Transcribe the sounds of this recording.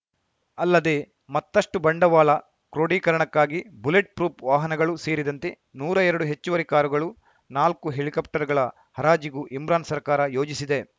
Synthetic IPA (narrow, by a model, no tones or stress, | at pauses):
ɐlːɐd̪e̞ | mɐt̪ːɐʂʈubɐɳɖɐʋaːlɐ | kɾoːɖiːkɐɾɐɳɐkːaːɡibuleʈ̚pɾuːpʋaːɦɐnɐɡɐɭuseːɾid̪ɐnt̪e̞ | nuːɾɐɛɾɐɽuɦe̞t͡ʃːuʋɐɾikaːɾuɡɐɭu | naːlkuɦe̞ɭikɐp̚ʈɐɾɡɐɭɐ | hɐɾaːd͡ʒiɡuʔimɾaːnsɐɾkaːɾɐjo̞ːd͡ʒisid̪e̞